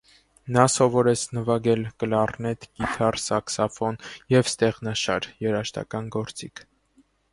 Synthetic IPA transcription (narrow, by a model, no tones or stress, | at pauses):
nɑsɔvɔɾɛt͡sʰnəvɑɡɛlkəlɑrnɛt̪ɡ̥it̪ʰɑrsɑksɑfɔnjɛvst̪ɛʁnɑʃɑ̰ɾjɛɾɑʃt̪ɑ̰kɑnɡɔɾt͡sikʰ